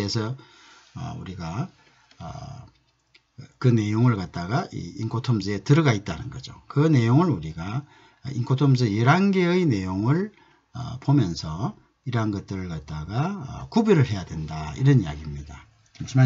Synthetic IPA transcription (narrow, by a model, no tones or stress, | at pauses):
esʰʌ | ʌ̰ṵɾiɡa | kɯne̞joŋɯɭkat̚t͈aɡaḭiŋkʰotʰomsɯe̞tɯɾɯɡait̚t͈anɯnɡʌd͡ʑo̰kɯne̞joŋɯɭuɾiɡa | iŋkʰotʰomsɯjeɾanɡe̞ɯine̞joŋɯɭ | ʌ̰pomjʌnsʰʌ | iɾanɡʌt̚t͈ɯɾɯɭkat̚t͈aɡa̰kubuɾɯɭɦe̞jadwe̞ndaḭɾʌnija̰ɡimɲida | sma